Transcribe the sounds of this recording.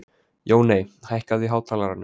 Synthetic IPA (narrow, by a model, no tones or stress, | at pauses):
joːwneːjhajhkaðvɪɦaːwt̪ʰaːlaɾanːʏ